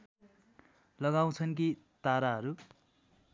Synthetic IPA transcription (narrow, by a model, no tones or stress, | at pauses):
lʌɡaw̃t͡sʰʌnk̬it̪aɾaɦʌɾu